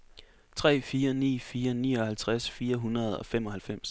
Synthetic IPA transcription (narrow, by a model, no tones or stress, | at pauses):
t͡sʰʁɛ̰ːfiːɐnḭːfiːɐnḭːɒ̽hælt͡sʰʁasfiːɐɦunɐð̞ˠɒ̽fem̰ɒ̽hælfem̰s